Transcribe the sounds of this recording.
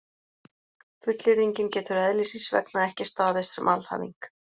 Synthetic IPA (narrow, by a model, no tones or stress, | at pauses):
fʏt̪lɪɾiɲcɪncɛːt̪ʏɾɛðlisinsvɛ̰knaɛhcɪst̪aːðɪssɛ̰mʔalha̰vḭŋk